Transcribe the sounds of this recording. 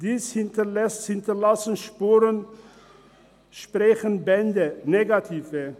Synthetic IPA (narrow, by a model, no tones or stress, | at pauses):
d̥iːshɪntɐlɛshɪntɐlasn̩ʃpuːʁən | ʃpʁɛçənbɛndəneɡatʰiːvə